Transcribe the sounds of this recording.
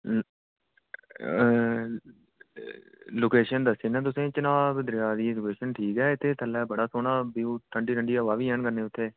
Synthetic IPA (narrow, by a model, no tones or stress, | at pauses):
loːkeːʃənd̪əsiːnɛ̃ːt̪̬ʊsẽːt͡ʃənaːbd̪ɾjaːd̪iːed͡ʒʊkeːʃənʈʰiːkɛːɪt̪ʰːeːt̪ʰəlːɛːbəɽaːsoːɽaːbiːuːt̪ʰəɳɖiːɾəɳɖiːaːʋaːʋiːɛ̃ːɳkənẽːʊt̪ʰːeː